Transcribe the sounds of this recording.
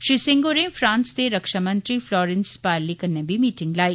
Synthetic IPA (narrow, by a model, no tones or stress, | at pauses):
ʃɾiːsɪ̃ŋɡoɾẽfɾãːnst̪eɾɐkʃamɐ̃nt̪ɾiflɔːɾɛ̃nspaːɾlikɐnebʱimiːʈɪ̃ŋɡlaːi